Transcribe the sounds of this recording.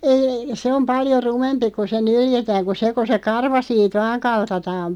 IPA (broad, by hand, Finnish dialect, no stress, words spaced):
ei se om pɑljo rumempi ku se nyljetæːŋ ko se ko se kɑrʋɑ siːt ʋɑːŋ kɑltɑtɑːm